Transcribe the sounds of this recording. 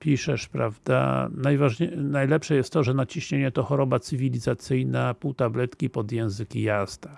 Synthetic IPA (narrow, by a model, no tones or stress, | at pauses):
pʲiʂɛʂpɾavd̪a̰najvaʐɲnajlɛpʂɛjɛst̪t̪ːɔʐɛnat͡ɕiɕɲeɲɛt̪ɔxɔɾɔbat̪sɘvʲilʲizat̪sɘjnapuwt̪ablɛt̪kʲipɔd̪jɛ̃w̃zɘkʲijaz̥d̪a